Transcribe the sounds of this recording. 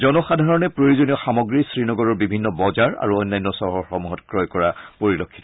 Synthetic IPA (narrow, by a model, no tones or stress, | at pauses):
zɔnɔxadʱaɹɔnɛpɹojuzoniɔxamɔɡɹisɹinɔɡɔɹɔɹbibʱinːɔbɔzaɹa̰ɹuɔjnːajnːɔsɔɦɔxɔmuɦɔtkɹɔjkɔɹapoɹilɔkʰːi̥t